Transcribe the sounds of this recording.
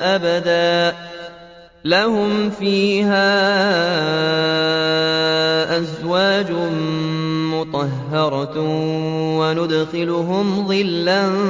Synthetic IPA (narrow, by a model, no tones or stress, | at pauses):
ʔabad̪aːʔ | lahʊmfiːɦaː | ʔazwaːd͡ʒʊ | mʊt̪ˤɑɦːɑɾˤɑ | wanʊd̪xɪlʊɦʊmðˤɨlːan